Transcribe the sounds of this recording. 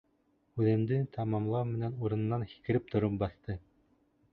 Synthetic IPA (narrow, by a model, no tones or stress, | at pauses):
ʉðɘ̆md̪ɘt̪ʰɑmɑmlˠɑwmɘ̆nænuɾɤ̆nɤ̆nːɑnxi̥kɘ̆ɾɘp̚t̪ʰŏɾop̚bɑθt̪ɤ